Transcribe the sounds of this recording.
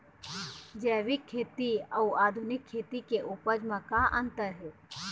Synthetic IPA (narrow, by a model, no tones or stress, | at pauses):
d͡ʒɛːʋɪkʰːeːt̪iəuaːd̪ʱunɪkʰːeːt̪ikeʔupəd͡ʒmãkaʔənt̪əɾɦeː